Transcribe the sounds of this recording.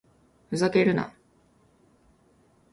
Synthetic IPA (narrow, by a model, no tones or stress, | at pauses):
ɯzakeɾɯ̟na̰